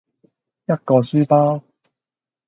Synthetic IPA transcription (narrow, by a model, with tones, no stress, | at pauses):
jɐ˥t̚kɔː˧syː˥paː˥w